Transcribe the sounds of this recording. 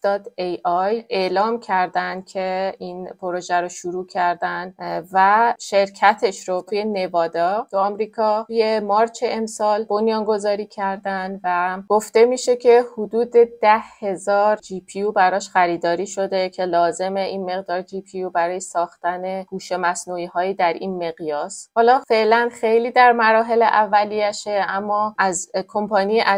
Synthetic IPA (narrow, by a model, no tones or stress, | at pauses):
d̪̥ɒt̪ʰejʔɒjʔe̞lɒːmcʰæɾd̪ænd̪̥cʰe̞inpʰoɾoʒæɾoʃuɾuːcʰæɾd̪ænvæʃe̞ɾcʰæt̪ʰe̞ʃɾot̪ʰuje̞ne̞vɒːd̪ɒt̪ʰuɒmɾiːkʰɒuje̞mɒɾt͡ʃʰeʔemsɒːlbo̞njɒːŋɡo̞zɒːɾiːcʰæɾd̪ænvæɡ̥o̞ft̪e̞miːʃe̞cʰe̞hud̪uːd̪e̞d̪̥æhhe̞zɒːɾd͡ʒipʰijubæɾɒːʃxæɾiːd̪ɒːɾiːʃo̞d̪e̞cʰe̞lɒːze̞meʔinme̞ɣd̪ɒːɾd͡ʒipʰijubæɾɒːjesɒːxt̪æne̞ɡ̥uːʃemæsnuiːɦɒːjiːd̪æɾinme̞ɣjɒːshɒːlɒːfe̞ʔlænxejliːd̪æɾmæɾɒːɦe̞leʔævːælijæʃeʔæmːɒːʔæzkʰo̞mpʰɒnijʔæ